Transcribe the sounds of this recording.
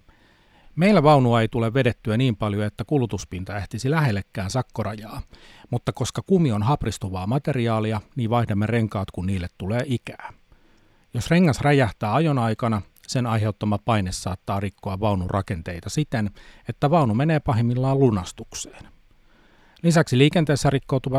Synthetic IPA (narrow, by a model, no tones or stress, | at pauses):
me̞ijlːæʋɑunuɑejt̪uleʋːede̞t̪ːyæniːmpɑljoet̪ːækulut̪uspint̪ɑæht̪isilæɦelːekːæːnsɑkːorɑjɑːmut̪ːɑko̞skɑkumio̞nɦɑprist̪uʋɑːmɑt̪e̞riɑːliɑniːʋʋɑihdemːere̞ŋkɑːt̪kunniːlːet̪tːuleːʔik̟æː | josreŋːɑsræjæht̪æːɑjonɑjkɑnɑ | senɑjɦe̞ut̪ːomɑpɑinesːɑːt̪ːɑːrikːoɑʋʋɑunurʔɑke̞nt̪ejt̪ɑsit̪enet̪ːæʋɑunumeneːpɑɦimːilːɑːlunɑst̪ukse̥ːn | lisæksiliːkent̪eːsːærikːouwt̪uʋɑ